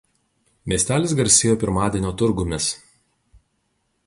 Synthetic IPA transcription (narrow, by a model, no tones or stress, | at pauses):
mʲiɛsʲt̪ʲæːlʲɪs̬ɡɐɾʲsʲeːjoːpʲɪɾmɑːd̪ʲɛnʲoːt̪ʊɾɡʊmʲɛs